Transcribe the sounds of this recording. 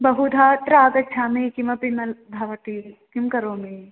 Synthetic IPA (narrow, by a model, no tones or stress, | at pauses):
bɐɦud̪ʱaːʈɾaːɡɐtːt͡ʃʰaːmekimɐpimɐd̪ʱɐʋɐʈikimkɐɾoːmeː